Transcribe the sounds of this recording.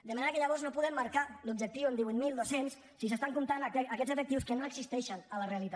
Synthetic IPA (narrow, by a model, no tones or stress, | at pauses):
d̪əmaneɾəkəʎaβɔɾznopuðɛmːaɾkalub̚ʒək̚t̪iwənd̪iβuit̪milˠd̪osensːisəst̪aŋkumt̪anəkɛzəfək̚t̪iwskənoəɡzist̪ɛʃənələreəlit̪a